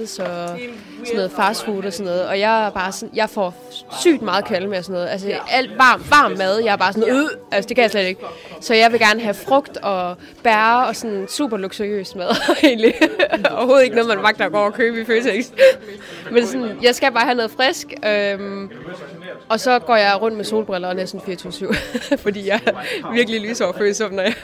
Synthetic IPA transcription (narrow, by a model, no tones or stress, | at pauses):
sɒ | sɒnːɔ̽ð̩ˠfɑ̈sfuːd̥ɒ̽sɔnːɔ̽ːð̩ˠɒ̽jɑ̈ɪæɐb̥ɑ̈ːsɔ̽njɑ̈ɪfɒ | sy̰ːd̥mɑ̈ːðˠkʰæləmeɒsɔ̽nːɔ̽ːð̩ˠæls̬əæl̰d̥ʋɑ̰̈ːmʋɑ̰̈ːmːæð̞ˠjɑ̈ɪæɐb̥ɑ̈ːsɔn̩ˠuð̰ˠʔælsəd̥e̝kʰæjɑ̈ɪsled̥e̝ɡ̥sɒ̽jɑ̈ɪʋe̝ɡ̥æɐnəɦæfʁɔ̽ɡ̥d̥ɒ̽ | b̥æɐɒ̽sɔ̽nsṵːb̥ɐluɡ̥suø̰ːsmɛðˠe̝ːnliɒʊɐho̝ːð̩ˠe̝ɡ̥nɔð̩ˠmænʋɑ̈ɡ̥̚d̥ɐɒɡ̥ɒ̰ːɒkʰøːb̥əiføːt͡sʰeɡ̥sd̥ | mensɔ̽njɑ̈ɪsɡ̥æb̥ɑ̈ːhænɔ̽ːð̩ˠfʁɛsɡ̥øm | ʔɒ̽sɒ̽ɡ̥ɒ̰ːjɑ̈ɪʁɔ̽n̰d̥̚meso̝ːlb̥ʁɛlɐ̥enæɐsɔ̽nfiːɐt͡sʰosyʊ̰fɒ̽d̥ḭːjɑ̈ɪɐʋiɐɡ̥əlily̰ːsɒɒføːsɒmnɐjɑ